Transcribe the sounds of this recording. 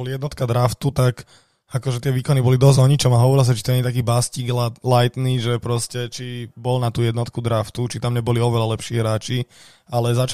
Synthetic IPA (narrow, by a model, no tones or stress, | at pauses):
ɔlijɛd̪nɔt̪kad̪ɾaft̪ut̪ak | akɔʒɛt̪ɪɛʋiːkɔnibɔlid̪ɔzɔɲit͡ʃɔmaɦɔʋɔɾils̬at͡ʃit̪ɔɲɛɲɛt̪akiːbasciːɡllajt̪niːʒɛpɾɔscɛt͡ʃibɔlnat̪uːjɛd̪nɔt̪kud̪ɾaft̪ut͡ʃit̪amɲɛbɔliɔʋɛlalɛpʃiːɦɾaːt͡ʃi | alɛzat͡ʃ